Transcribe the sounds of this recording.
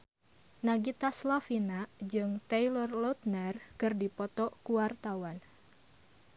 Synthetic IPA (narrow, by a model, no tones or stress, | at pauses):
naɡit̪aslafinad͡ʒɨŋt̪eilɔrlɔt̪̚nərkɨrdipɔt̪ɔkuwart̪awan